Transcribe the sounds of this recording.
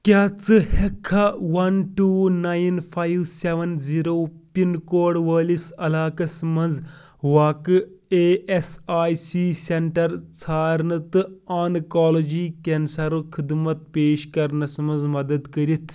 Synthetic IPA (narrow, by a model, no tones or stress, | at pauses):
kʲaːt͡sɨhekʰːɐʋɐnʈuːnajnfʰajʋseʋɐnziːɾoːpinkoːɽʋɐːlisɐlaːkɐsmɐnd͡z | ʋaːkɨeːesaːjsiːseɳʈɐɾt͡sʰaːɾnɐt̪ɨaːnkaːlɐd͡ʒiːkɐnsɐɾɨkʰid̪mɐt̪̚peːʃkɐɾnɐsɐmɐnzmɐd̪ɐd̪kɐɾit̪ʰ